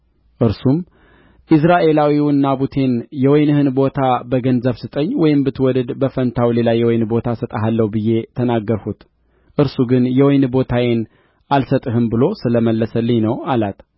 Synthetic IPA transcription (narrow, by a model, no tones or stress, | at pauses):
ʔɨɾsum | ʔɨs̬ɾaʔe̞lawiwɨnːabut̪ʰe̞njɛwɔjnɨhɨnbo̞t̪ʰabəɡənzəβsɨt̪ʼəɲːwɔjɪmbɨt̪ʰwɔd̪əd̪bəfənt̪ʰawle̞lajːɛwɔjnbo̞t̪ʰasət̪ʼaɦalːəhubɨjːe̞t̪ʰənaɡːəɾhut̪ | ʔɨɾsuɡɨnjɛwɔjnbo̞t̪ʰawen | alsət̪ʼɨɦɨmbɨlo̞sɨləməlːəsəlːɨɲnəwalat̪